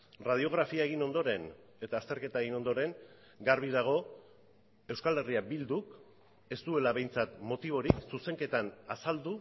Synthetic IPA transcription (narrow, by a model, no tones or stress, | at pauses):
rað̞io̞ɣ̞ɾafiaeɣino̞nd̪o̞ɾe̞n | e̞t̪aːst̪e̞ɾke̞t̪aeɣino̞nd̪o̞ɾe̞ŋ | ɡaɾβ̞iðaɣ̞o̞ | e̞wskale̞riabild̪uk | e̞st̪ue̞laβe̞jnt͡sat̪mo̞t̪iβ̞o̞ɾiksuse̞ŋke̞t̪anasald̪u